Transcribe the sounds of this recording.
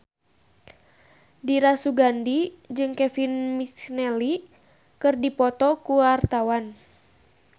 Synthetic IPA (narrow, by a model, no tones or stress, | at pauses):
diɾasuɡandid͡ʒɨŋkɛfinmit͡ʃnɛli | kɨrdipɔt̪ɔkuart̪awan